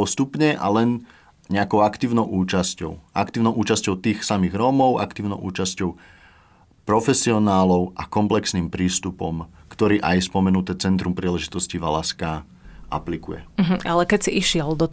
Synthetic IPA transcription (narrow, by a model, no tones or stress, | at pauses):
pɔst̪upɲɛʔa̰lɛn | ɲɛakɔʊakt̪iːʊnɔʊʔuːt͡ʃascɔʊʔa̰kt̪iːʊnɔʊʔuːt͡ʃascɔʊt̪iːxsamiːɣɾɔmɔʊʔa̰kt̪iːʊnɔʊʔṵːt͡ʃascɔʊ | pɾɔfɛsiɔnaːlɔʊʔakɔmplɛksniːmpɾiːst̪upɔmkt̪ɔɾiːʔajspɔmɛnut̪ɛːt͡sɛnt̪ɾumpɾiːlɛʒit̪ɔsciʋalaska | ʔa̰plikujɛ̰ɦ̩alɛkɛcsiʔiʃɪɛld̪ɔ